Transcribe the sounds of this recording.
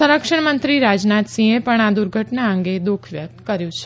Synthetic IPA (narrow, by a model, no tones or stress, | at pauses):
əɾəkʃəɳmənt̪ɾiɾad͡ʒnat̪sĩepəɳad̪uɾɡʱəʈnaə̃ŋɡed̪ukʰʋjət̪kəɾjũt͡ʃʰe̥